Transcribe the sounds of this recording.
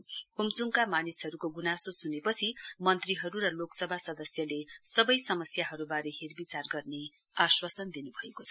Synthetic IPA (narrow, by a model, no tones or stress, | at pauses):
komt͡suŋkamanisɦʌɾukoɡunasosunepʌt͡sʰimʌnt̪riɦʌɾurʌloksʌbʱasʌd̪ʌsjʌlesʌbʌjsʌmʌsjaɦʌɾubaɾʌɦerbit͡sarɡʌrne | aswasʌnd̪inubʱʌekot͡sʰʌ